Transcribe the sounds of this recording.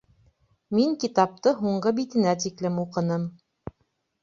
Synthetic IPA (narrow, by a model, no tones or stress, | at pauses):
miŋkit̪ɑp̚t̪ɤɦuɴɢɤbit̪ɘ̆næt̪iklɘmuqɤ̆nɤm